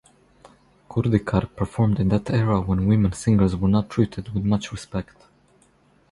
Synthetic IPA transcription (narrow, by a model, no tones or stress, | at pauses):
kʰuɹd̪ikʰɑɾpʰə˞fɔɹmdɨ̃nðætʰɛɹəwɛ̃nwɪ̃mə̃nsɪ̃ŋɡə˞zwə˞nətʰːɹitʰɨdwɪðmʌt͡ʃɹɪspɛkt